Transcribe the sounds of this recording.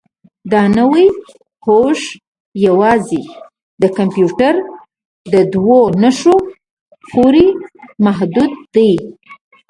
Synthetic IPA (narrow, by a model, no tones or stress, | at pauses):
d̪ɑnəwi | hoʃ | jawɑzi | d̪əkampjuʈaɾ | d̪əd̪wonəʃo | xuɾimaɦd̪ud̪̚ːəj